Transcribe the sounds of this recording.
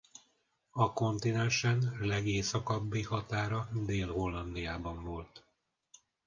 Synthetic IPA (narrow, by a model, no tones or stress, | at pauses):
ɒko̞nt̪inɛnʃɛnlɛɡeːsɒkɒbːihɒt̪aːɾɒd̪eːlho̞lːɒnd̪ijaːbɒɱvo̞lt̪